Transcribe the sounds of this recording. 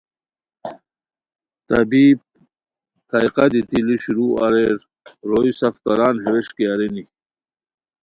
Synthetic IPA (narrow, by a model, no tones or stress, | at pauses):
t̪ɐbib̚ | t̪ʰaiqad̪it̪iliɕuɾuʔɐɾeɾ | ɾoisɐfkɐɾaːnɦeɾeʂkiaɾeni